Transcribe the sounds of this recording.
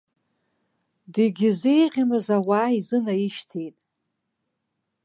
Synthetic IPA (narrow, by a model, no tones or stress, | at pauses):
diɡʲize̞jqʲʼamɨzawaːizɨnaiʃtʰejtʼ